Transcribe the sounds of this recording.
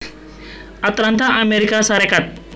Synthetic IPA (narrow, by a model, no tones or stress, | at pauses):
ɐt̪ɾant̪ʰaʔɐmeɾikasaɾekat̪̚